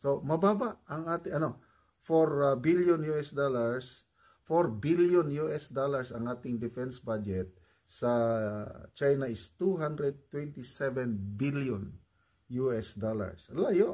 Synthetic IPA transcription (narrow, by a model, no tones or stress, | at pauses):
somɐbabaɐŋaːt̪ɪʔɐno | foɾbiljonjuɛsd̪olaɹs | foɾbiljonjuʔɛsd̪olaɹsɐŋʔaːt̪ɪŋd̪ɪfɛnsbad͡ʒɛt̪̚ | sɐ | t͡ʃajnaɪst̪uɦand̪ɾɛd̪̚t̪wɛnt̪ɪsɛvɛnbiljɔn | juʔɛsd̪ola̰ɹslajo